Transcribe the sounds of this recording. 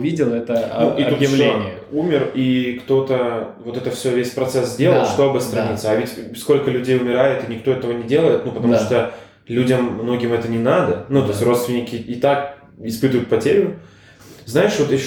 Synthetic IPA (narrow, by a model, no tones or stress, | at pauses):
vʲidʲɪlˠɛt̪ənuʔit̪uɪoɪ | umʲɪrikt̪o̞t̪əvo̞t̪ɛt̪əfsʲɵvʲesʲpɾɐt̪sɛs̬zdʲe̞lˠəlˠʂt̪o̞ɐbɨɐst̪ɾɐnʲit̪səɐvʲɪtʲsko̞lʲkəlʲʉdʲejʊmʲɪɾajɪt̪ɨnʲɪkt̪o̞ɛt̪əvənʲɪdʲe̞lˠəjɪt̪nupət̪ɐmuʂt̪o | lʲudʲəmːno̞ɡʲɪmɛt̪ənʲɪnad̪ənut̪o̞sʲtʲro̞t̪st̪vʲɪnʲɪkʲɪːt̪ak | ɪspɨt̪ʊjʊt̪̚pɐtʲeɾʲʊ | znajɪʂvo̞t̪jɪɕ